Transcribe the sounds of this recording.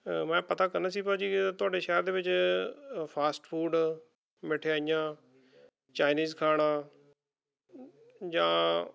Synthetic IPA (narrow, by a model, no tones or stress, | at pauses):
mɛ̃ːpət̪aːkəɾnaːsiːpad͡ʒiːt̪ʊaːɖeːʃɛɦɾd̪eːʋɪt͡ʃ | pʰaːsʈpʰuːɖ | mɪʈʰeaːijãː | t͡ʃaːɪniːzkʰaːɽ̃ãː | d͡ʒãː